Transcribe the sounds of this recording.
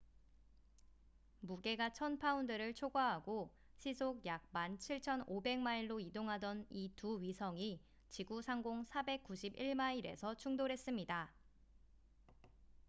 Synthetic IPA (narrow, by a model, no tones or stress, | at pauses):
muɡe̞ɡat͡ɕʰʌnpʰaundɯɾɯɭt͡ɕʰoɡaɦaɡo | ɕʰisʰoɡjak̚mant͡ɕʰiɭt͡ɕʰʌnobe̞ŋmaiɭːoidoŋɦadʌnituɥisʰʌŋi | t͡ɕiɡusʰaŋɡoŋsʰabe̞k̚k͈uɕʰibiɭmaiɾe̞̰sʰʌt͡ɕʰuŋdoɾɦe̞s͈ɯmɲida